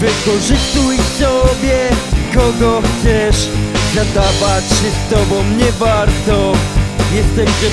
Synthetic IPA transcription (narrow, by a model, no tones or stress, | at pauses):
vɨkɔʐɨst̪ujsɔbʲjɛkɔɡɔxt̪sɛʂzat̪avatɕɛst̪ɔbɔ̃w̃ɲɛvaɾt̪ɔjɛst̪ɛɕɛ